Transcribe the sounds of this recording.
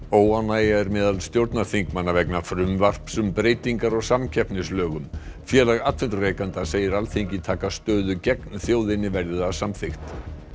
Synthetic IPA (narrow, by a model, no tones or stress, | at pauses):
oːwanajaɛɾmɛːðalst̪jowɾt̪naθiŋkmanːavɛknafɾʏmvar̥psʏmpɾeːjt̪iŋkaɾɔɣsamcʰɛhpnɪslœːɣʏmfjɛːlaɣat̪fʏnt̪ɾʏɾejkant̪aseːjɪɾalθeɲcɪt̪ʰaːkast̪œːðʏcɛknθjowðɪnːɪvɛɾðɪðasamθɪxt̪